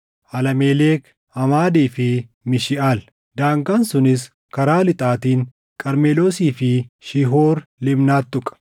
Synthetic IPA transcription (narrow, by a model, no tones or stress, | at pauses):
ʔɐlɐmeːleːk | ɐmaːd̪iːfɪ | mɪʃɪʔal | d̪aːŋɡansʊnɪs̬ | kɐɾaːlɪt̪ʼaːt̪iːŋ | kʼɐɾmeːlo̞ːsiːfɪʃɪɦoːɾlɪbnaːt̪ːʊkʼɐ̥